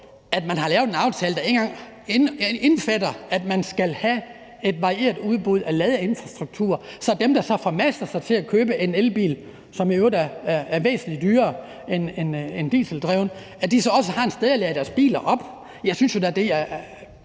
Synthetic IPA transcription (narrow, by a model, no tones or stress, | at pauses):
æd̥mænɦɑ̈lɛːʊenɑ̈ʊt͡sʰɛːləd̥æe̝nŋɡ̥ɑ̈ŋ | enenfædɐæd̥mænsɡ̥ælhæ | e̝d̥ʋɑ̈ʁie̝̰ːɐd̥uð̞ˠb̥uð̞̰ˠælɛːð̞ˠəe̝nfʁɑ̈sd̥ʁuɡ̥̚t͡sʰṵːɐsɒ̽d̥emd̥ɑ̈sɒ̽fɒmæsd̥ɐsɑ̈ɪt͡sʰe̝lækʰøːb̥əʔe̝nelb̥ḭːl | sɒ̽miøʊdæææɐʋḛːsn̩lid̥yːɐː | enenend̥ḭːsl̩d̥ʁɛʊnə | æd̥isɒ̽ɒ̽səhɑ̈e̝nsd̥eð̞ˠælɛːəd̥æɐsb̥ḭːlɐʔɒ̽b̥ | jɑ̈ɪsynsjo̝d̥ææɐd̥e̝jæ